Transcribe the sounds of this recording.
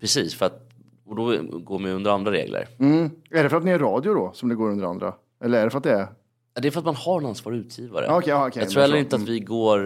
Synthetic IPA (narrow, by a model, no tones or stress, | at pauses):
pʰɾɛsiːsfœɾat̪ | ɔd̪ɔɡoːɾmɪɵnd̪əɾand̪ɾaɾḛːɡlə̰ɾm̩ːæɖɛfœɾat̪̚nɪæɾɑːd̪jʊd̪ɔsɔmd̪ɛɡoːɾɵnd̪əɾa̰nd̪ɾa̰ | ʔɛlːəɾæɖɛfœɾat̪̚d̪ɛæɾ | d̪ɛfœɾat̪manhaɾɛnansvɑ̰ːɾʉ̟ːt̪ʰjiːva̰ɾə̰aːɔkʰɛaɔkʰɛɑɡ̪tɾuːɛlːɾɪnt̪əatt̪vɪɡoːɾ